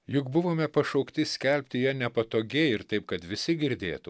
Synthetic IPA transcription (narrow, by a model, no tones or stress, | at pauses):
jʊkbʊʋoːmʲɛpɐʃɐʊkt̪ʲɪsʲkʲɛlʲpʲt̪ʲɪjɛnʲɛpɐt̪oːɡʲɛɪɾt̪ɐɪp̚kɐt̪ʋʲɪsʲɪɡʲɪɾʲd̪ʲḛːt̪u